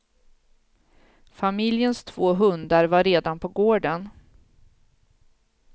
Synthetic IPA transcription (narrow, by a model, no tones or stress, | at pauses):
famɪljənst̪ʰv̥oːɦɵnd̪aɾvaɾeːd̪anpʰɔɡoːɖən